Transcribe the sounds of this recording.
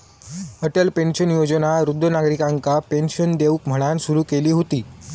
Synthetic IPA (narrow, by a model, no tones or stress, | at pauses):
əʈəlpenɕənjod͡ʑənaɾud̪ʱːənaɡɾikãŋkapenɕənd̪eʋuːkm̤əɽ̃ansuɾuːkeliːɦot̪iː